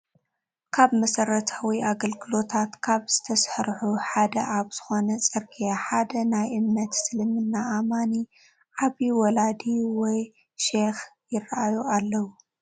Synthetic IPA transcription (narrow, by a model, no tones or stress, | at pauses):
kʰaβmɐsɐɾɐt̪ʰawiʔaɡɐlɡɨlo̞t̪ʰat̪kʰaβz̥ɨt̪ʰɐsħɐɾħuħad̪ɐʔaβz̥ɨxo̞nɐt͡sʼɨɾkʰʼijaħad̪ɐnajʔɨmnɐt̪sɨlɨmɨnːaʔːmani | ʔaβiwɔlad̪iwɔj | ʃexjɪrːaʔajualːɐwu